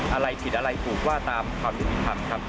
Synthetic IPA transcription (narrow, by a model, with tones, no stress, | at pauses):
ʔa˧ɾa˧jpʰi˨˩t̪̚ʔa˧ɾa˧jp̪ʰuː˨˩k̚waː˥˩t̪aː˧mkʰaː˧msʰi˦˥t̪ːiː˧˩p̪ʰa˧mkʰɾa˦˥p̚